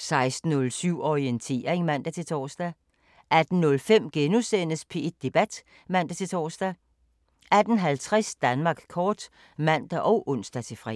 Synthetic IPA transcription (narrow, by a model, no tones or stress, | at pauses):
sɑ̈ɪsd̥n̩ːɔ̽lsyʊ̰ɒient͡sʰe̝̰ːɐeŋmæn̰d̥æt͡sʰe̝t͡sʰɒːsd̥æ | ʔæd̥n̩nɔ̽lfem̰ɡ̥enusen̰əspʰe̝ed̥ːe̝b̥æd̥ | mæn̰d̥æt͡sʰe̝t͡sʰɒːsd̥æ | æd̥n̩ɦælt͡sʰʁɛsd̥ænmɑ̈ːɡ̥kʰɒːd̥ | mæn̰d̥æʔɒʊʔɔ̽n̰sd̥æt͡sʰe̝fʁɛ̰